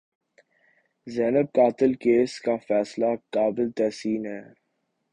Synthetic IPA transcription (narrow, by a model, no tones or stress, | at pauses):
zɛːnəb̚kaːt̪ɪlkeːskafɛːslakaːbɪlt̪ɛːsiːnɦɛː